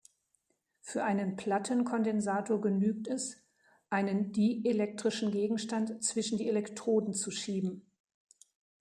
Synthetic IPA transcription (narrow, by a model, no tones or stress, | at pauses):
fyːɐʔaɪnənpʰl̥atʰənkʰɔndɛnzaːtʰoːɐɡənyːk̚tɛs | ʔaɪnəndiːelɛk̚tʁ̥ɪʃn̩ɡeːɡŋ̩ʃtantt͡sv̥ɪʃn̩diːelɛktʁ̥oːdn̩t͡suʃiːbm̩